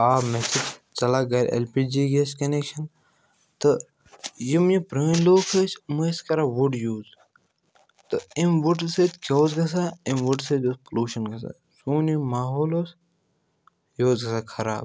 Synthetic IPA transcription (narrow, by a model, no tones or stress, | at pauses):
aːmesid͡ʒt͡sɐlaːɡɐɾʲḛlpiːd͡ʒiːɡeskɐnekʃɐn | t̪ɨ | jimjipɾəːnloːkʰɐt͡ʃʰmɨeskɐɾaːʋuɖjuːz | t̪ɨimʋuʈset̪kʰʲoːzɡɐsaːimʋuɖsed̪ospɐluːʃɐnɡɐsa̰ː | suːnimaːɦoːloːs | joːzɡɐsaːkʰɐɾa̰ːb̚